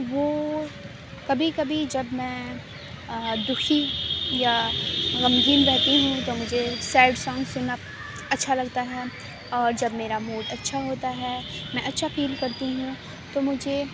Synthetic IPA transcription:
ʋoː | kɐbʱikɐbʱid͡ʒɐbmɛ̃ː | d̪ʊxʰijaɣɐmɡiːnbɛɦt̪iɦũt̪omʊd͡ʒʱesɛːɖsɔːŋɡsʊnːa | ɐtːʃʰalɐɡt̪aɦɛː | ɔːɾd͡ʒɐbmeːɾamuːɖɐtːʃʰaɦoːt̪aɦɛːmɛ̃ɐtːʃʰafʰiːlkɐɾt̪iɦũ | t̪omʊd͡ʒʱe

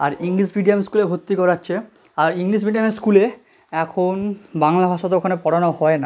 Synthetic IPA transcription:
aɾiŋliʃbiɖiamskulebʱot̪ːikɔɾatːɕʰe | aɾiŋliʃbiɖiameskule | ɛkʰonbaŋlabʱaʃot̪ookʰanepɔɽanohɔena

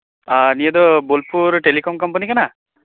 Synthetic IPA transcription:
anijad̪ɔbolpʰuɾʈelikɔmkɔmpanikana

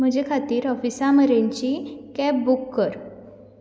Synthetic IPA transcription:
m̤əd͡ʑekʰat̪iːɾɔfisaməɾẽɲt͡ɕikɛp̚bukːəɾ

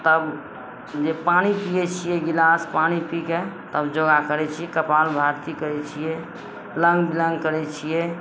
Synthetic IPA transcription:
t̪əb | d͡ʒepañipiɛt͡ʃʰijɛɡilaspanipiket̪əbd͡ʒoɡakəɾɛt͡ʃʰijɛkəpalbʱaɾt̪ikəɾɛt͡ʃʰijɛ | lə̃ŋɡbilə̃ŋɡkəɾɛt͡ʃʰijɛ

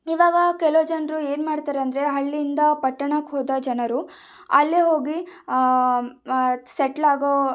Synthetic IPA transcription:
iʋaːɡɐkɛlod͡ʒɐnɾue̞ːnmaːɽt̪aːɾeɐnd̪ɐɾe̞ɦɐɭːind̪ɐpɐʈːɐɳɐkɦoːd̪ɐd͡ʒɐnɐɾu | ɐlːeɦo̞ːɡi | seʈlaːɡo

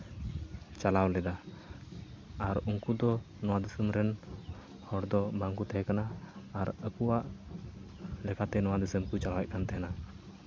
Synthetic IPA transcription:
t͡ʃalawlɛd̪a | ɾuŋkud̪ɔ | nɔwad̪usəmɾɛn | hɔɽd̪ɔbaŋkut̪ɛɦɛkanaːɾəkuwaʔ | lɛkat̪ɛnɔwad̪isəmkut͡ʃalawɛʔ̚kʰant̪ɛɦɛna

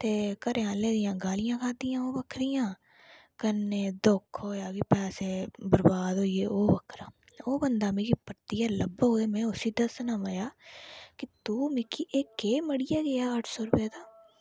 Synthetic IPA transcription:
t̪eːkəɾʔeãːleːd̪ɪjãːɡaːlɪjãːkʰaːd̪ɪjãːoːʋəkʰɾijãː | kənːeːd̪ʊkʰɦoːjaːkipɛːseːbəɾbaːd̪ɦoːieːoːbəkʰɾaː | oːbənd̪aːmeːkiːpəɾt̪ijaːləbɦoːeːmɛ̃ːʊsiːd̪əsnaːmaːjaːkɪt̪uːmɪkʰiʔeːkeːməɽɪjaːɡəjaːəʈʰsoːɾʊpeːd̪aː

